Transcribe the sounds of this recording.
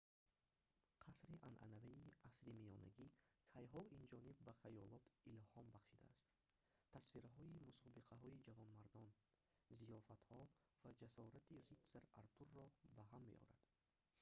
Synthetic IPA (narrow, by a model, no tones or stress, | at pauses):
qʰasɾiʔa̰nʔa̰navaiʔasɾimiɔna̰ɡikʰajɦɔʔind͡ʒɔnibːaχajɔlɔt̪ilhɔmbaχʃid̪a̰ːst̪ | t̪ʰːasfiɾaɦɔimusɔbiqʰaɦɔid͡ʒavɔnmaɾd̪ɔn | zijɔfat̪hɔ | vad͡ʒasɔɾat̪irit̪seɾaɾt̪uɾːɔbaɦamːe̞̰ʔɔ̰ɾa̰d̪̥